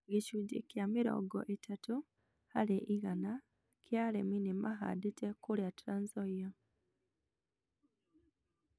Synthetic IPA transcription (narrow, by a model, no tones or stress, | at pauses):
ɡiʃuɟḭkjamiɾo̰ːɡo̰ʔetatu | haleʔiɣana | kjaleminimaxa̰ditekuljatɾanzoja